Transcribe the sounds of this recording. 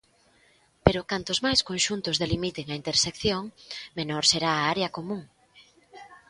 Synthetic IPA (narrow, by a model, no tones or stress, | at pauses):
peɾʊkant̪ʊzmajskonʃunt̪ʊzðelimit̪eŋɐint̪eɾsekθjoŋmenoɾseɾaːaɾeɐkomũŋ